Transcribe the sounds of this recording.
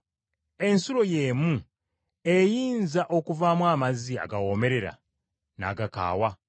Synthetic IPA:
e̞nsuɾo̞jeːmu | ejiːnzaʔo̞kuvaːmwaːmazia̰ɡawo̞me̞ɾe̞ɾa̰ | na̰ːɡaka̰ːwa

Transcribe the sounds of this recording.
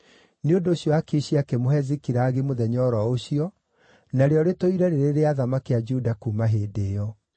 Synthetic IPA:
neondoːɕjɔakiɕiakemoɦɛzikiɾaːɣemoðɛɲɔɾɔoɕiɔ | naɾeɔɾetoiɾɛɾeɾeɾeaðamakead͡ʒudakuːmaɦeːdeːjɔ

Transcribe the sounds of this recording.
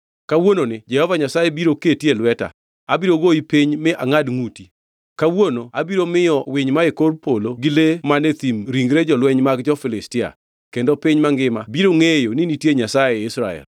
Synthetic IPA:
kawononɪd͡ʒɛhɔvaɲasajebiɾoketjelwɛta̰ | abiɾoɡoipiɲmɪʔa̰ŋadŋuti | kawonoabiɾomɪjɔwɪɲmaekoɾpoloɡɪlemanet̪imɾiŋɡɾed͡ʒɔlwɛɲmaɡd͡ʒɔfɪlɪstɪa̰ | kendopɪɲmaŋɡɪmabiɾoŋejonɪnitjeɲasajeɪsɾa̰ɛ̰l

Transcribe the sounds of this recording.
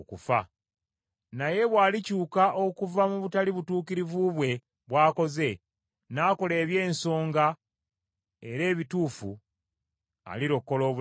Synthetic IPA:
kufa̰ | naje̞βwaːlicuːkaʔo̞kuvamuβutaliβutuːkiɾivuβwe̞ | βwaːko̞ze̞ | naːko̞le̞ːβje̞ːnso̞ːŋɡa | eɾe̞ːβituːfṵ | a̰liɾo̞kːo̞lo̞ːβ

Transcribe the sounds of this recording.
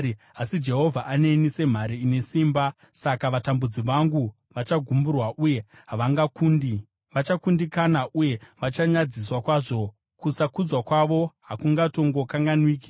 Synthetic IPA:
asid͡ʒe̞ɦo̞vʱaʔane̞nise̞m̤aɾiine̞siːmba | sakaʋatambud͡ziʋaŋɡu | ʋat͡ʃaɡʱumburwaʔuje̞ | ɦaʋaŋɡakun | ʋat͡ʃakundikanaʔuje̞ʋat͡ʃaɲad͡ziswakwaːʐo̞ | kusakud͡zwakwaʋo̞ɦakuŋɡato̞ŋɡo̞kaŋɡanwiːki̥

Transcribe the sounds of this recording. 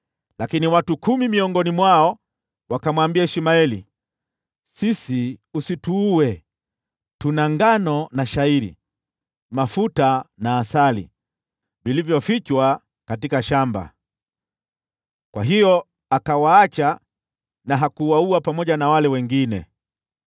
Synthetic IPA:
lakiniwatukumimiɔŋɡɔnimwaɔ | wakamwambiaɛʃimaɛlḭ | sisiusituːwɛ | tunaŋɡanɔnaʃaiɾḭ | mafutanaːsalḭ | vilivjɔfit͡ʃwa | katikaʃamba̰ | kwaɦijɔ | akawaːt͡ʃa | naɦakuwauapamɔʄanawalɛwɛŋɡinɛ̰

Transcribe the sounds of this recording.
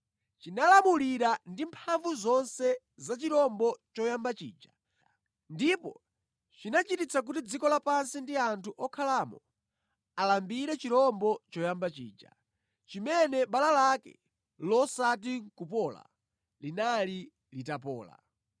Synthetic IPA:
t͡ʃinalamuliɾandimpʰaɱvuzɔnsɛ | zat͡ʃiɾɔmbɔt͡ʃɔjambat͡ʃḭːd͡ʒa | ndipɔ̰ | t͡ʃinat͡ʃitit͡sʰak̬utid͡zikɔlapansindiantʰuʔɔkʰalamɔ | alambiɾɛt͡ʃiɾɔmbɔt͡ʃɔjambat͡ʃḭːd͡ʒa̰ | t͡ʃimɛnɛɓalalakɛ̰ | lɔsat̬iŋkupɔːla̰ | linali | litapɔ̰ːla̰

